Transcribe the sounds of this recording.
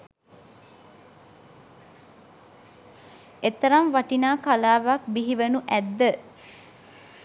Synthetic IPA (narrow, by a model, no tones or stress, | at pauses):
et̪ɐɾamʋaʈinaːkalaːʋak̚biɦiʋənuʔæd̪ːə